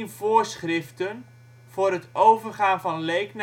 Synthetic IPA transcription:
nv̥oːrsχrɪftən | vʊːɾətowvərχaːnvɑnlejkn

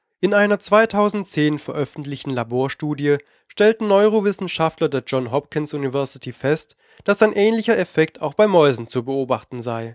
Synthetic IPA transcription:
ʔɪnaɪnɐt͡sv̥aɪtʰaʊzn̩tt͡seːnfɛɐʔœfn̩tlɪçtn̩laboːɐʃtuːdijə | ʃtɛltn̩nɔʏʁovɪsn̩ʃaftlɐdeːɐd͡ʒɔnɦɔp̚kɪnsʔunivɛɐsɪtʰifɛst | d̥asaɪnʔɛːnlɪçɐɛfɛk̚tʰaʊxb̥aɪmɔʏzn̩t͡subəoːbaχtn̩zaɪ

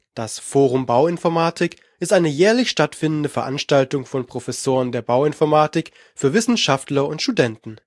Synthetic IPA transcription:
d̥asfoːʁ̞ʊmbaʊɪnfɔɐmaːtɪk | ʔɪstʔaɪnəjɛːɐlɪçʃtatfɪndn̩dəfɛɐʔanʃtaltʊŋfɔnpʁ̥ofɛsoːʁ̞əndeːɐbaʊɪnfɔɐmaːtɪk | fyːɐvɪsn̩ʃaftlɐʊntʃtudɛntn̩

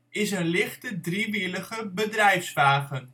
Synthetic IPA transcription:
ɪsənlɪχtədriʋiləχəbədrɛjfsʋaːχən

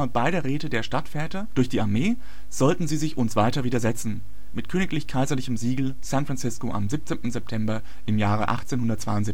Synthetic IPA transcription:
ɐb̥aɪɾəʁeːtədeːɐʃtatfɛːtɐd̥ʊɐçd̥iːaɐmeː | z̥ɔltn̩ziːzɪçʔʊnsv̥aɪtɐviːdɐzɛt͡sn̩ | mɪtkʰøːnɪklɪçkʰaɪzɐlɪçəm̩ziːɡl̩ | sænfʁant͡sɪskoʔa̰mzip̚t͡seːntn̩zɛp̚tʰɛmbɐ | ʔɪmjaːʁ̞əʔa̰χt͡seːnhʊndɐt̚t͡sv̥a̰ɪʊntz̥ip̚

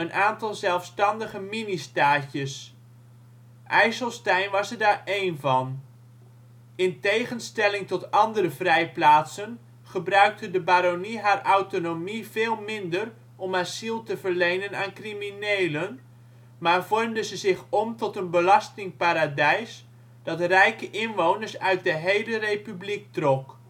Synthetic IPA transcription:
ənʔaːntɑlˠzɛlˠfstɑndəχəministaːcəs | ʔɛjsəlˠstɛjnʋɑsəɹdaːɹʔejnvɑn | ɪntejχənstɛlɪŋtɔtɑndərəvrɛjplaːtsən | χəbrœɥk̚tədəbaːɾoniɦaːrʔaɥtonomiveːlˠmɪndər | ʔɔmasilˠtəvəɹlejnənaːnkriminejlən | maːɹvɔrmdəzəzɪχɔmtɔtənbəlɑstɪŋpaːɾadɛjs | d̥ɑtrɛjkəʔɪnʋownəɹsœɥt̚dəɦejlərejpyblik̚trɔk

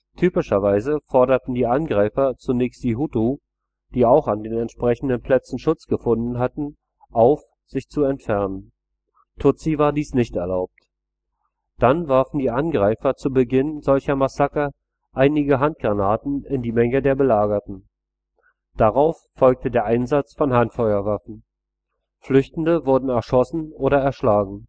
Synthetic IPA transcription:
tʰyːpɪʃɐvaɪzəfɔɐɾɐtn̩diːʔanɡʁaɪfɐt͡sunɛçstd̥iːɦutu | d̥iːaʊxandeːnɛntʃpʁ̥ɛçn̩dənpʰl̥ɛt͡sn̩ʃʊt͡sɡ̥əfʊndn̩ɦatn̩ | ʔaʊf | z̥ɪçt͡suɛntfɛɐnən | tʰʊt͡sivaːɐdiːsnɪçtɛɐlaʊp̚t | d̥anvaɐfn̩diːʔanɡʁaɪfɐt͡subəɡɪnzɔlçɐmasakɐ | ʔaɪnɪɡəɦant̚ɡ̥ʁanaːtn̩ɪndiːmɛŋədeːɐbəlaːɡɐtn̩ | d̥aʁaʊfːɔlk̚tədeːɐʔaɪnzat͡sfɔnhantfɔʏɐvafn̩ | flʏçtn̩dəvʊɐdn̩ɛɐʃɔsn̩ʔoːɾɐɛɐʃlaːɡŋ̩

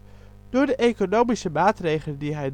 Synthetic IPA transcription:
d̥ʊːɹdəʔejkonowmisəmaːtrejχələndiɦɛj

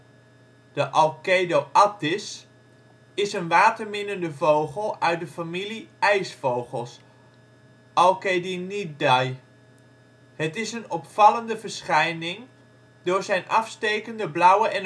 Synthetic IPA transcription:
d̥əʔɔlˠkejdowʔɑtɪs | ɪsənʋaːtəɹmɪnəndəvowχəlˠœɥt̚dəfamiliɛjsfowχəlˠs | ʔɔlˠkedinidɑj | hətɪsənɔpfɑləndəvəɹsχɛjnɪŋ | dʊːɹzɛjnʔɑfstejkəndəblʌwəʔɛn

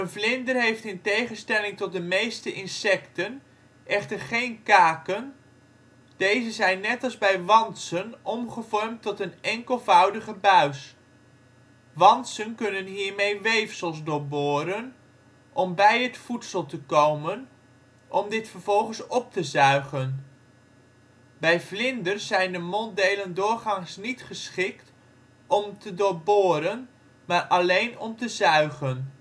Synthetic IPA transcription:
ənvlɪndərɦejftɪntejχənstɛlɪŋtɔt̚dəmejstəʔɪnsɛktən | ʔɛχtəɹχejnkaːkən | d̥ejzəzɛjnːɛtɑlˠzbɛjʋɑnsənʔɔmχəvɔɹmtɔtənɛŋkəlˠvʌwdəχəbœɥs | ʋɑnsənkɵnənɦiːɹmejʋejfsəlˠsdʊɹbʊːɾən | ʔɔmbɛjətfutsəlˠtəkowmən | ʔɔmdɪtfərv̥ɔlˠχənsɔp̚təzœɥχən | bɛjflɪndərszɛjndəmɔndejləndʊːɹχɑŋsnitχəsχɪkt | ɔmtədʊːboːɾən | maːɹʔɑlejnɔmtəzœɥχən

